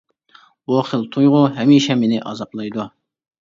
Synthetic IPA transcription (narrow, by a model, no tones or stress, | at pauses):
boχəlˠt̪ʰujʁʊɦɛmiʃɛmenɪʔɑ̰zɑplˠɑjd̪u